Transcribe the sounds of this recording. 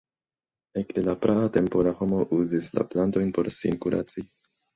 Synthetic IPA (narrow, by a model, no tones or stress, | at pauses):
ekde̞lapɾʔaate̞mpo̞laho̞mo̞ʔuzisla̰planto̞jnpo̞ɾsḭnkuɾʔa̰t͡si